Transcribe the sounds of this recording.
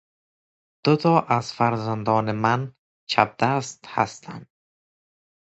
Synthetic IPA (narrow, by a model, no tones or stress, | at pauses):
d̪̥ʊt̪ʰɒːʔazfæɾzand̪ɒːneman | t͡ʃʰab̚d̪ast̪ha̰st̪ʰa̰nd̪̥